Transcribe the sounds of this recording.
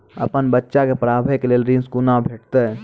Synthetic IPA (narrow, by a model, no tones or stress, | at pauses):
əpənbətːʃakepɾaːbʱekeleːlɾĩnskunabʱeːʈ̚ʰt̪e